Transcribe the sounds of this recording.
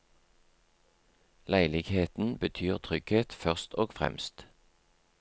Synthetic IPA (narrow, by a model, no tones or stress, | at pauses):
læɪlɪɡheːt̪n̩bət̪ʰyːʁt̪ʰʁʏɡ̥heːt̪fœʁst̪ʰoːɡfʁɛ̰mst̪